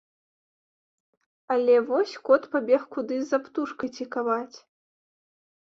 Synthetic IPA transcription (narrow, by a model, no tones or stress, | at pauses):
alʲɛvɔsʲkɔt̪pabʲɛxkud̪ɨzapt̪uʂkɐjt͡sʲikavat͡sʲ